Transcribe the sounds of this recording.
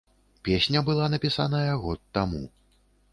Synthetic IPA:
pʲesʲnʲɐbɨlˠanɐpʲisanɐjɐɣɔt̪ːamṵ

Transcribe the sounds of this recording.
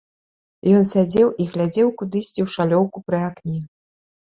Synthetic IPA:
jɔnsʲad͡zʲɛwʔiɣlʲad͡zʲɛwkud̪ɨsʲt͡sʲiwʂalʲɔwkupɾɨaknʲi

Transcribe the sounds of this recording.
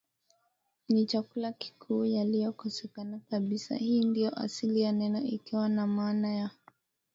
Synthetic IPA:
nit͡ʃakulaki̥kʰuːjalijɔkɔsɛkanakaɓisa̰hiːndijɔʔa̰silijanɛnɔikiwanamaːnaja

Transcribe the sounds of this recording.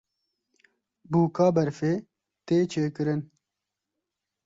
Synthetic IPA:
buːkaːbɐɾfeː | t̪eːt͡ʃʰeːkɨɾɨn

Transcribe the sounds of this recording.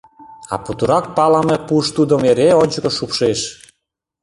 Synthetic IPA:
ɑ̰put̪uɾɑk̚pɑlɑmepuʃt̪ud̪ə̆meɾeonʲt͡ɕəkə̆ʃupʃeʃ

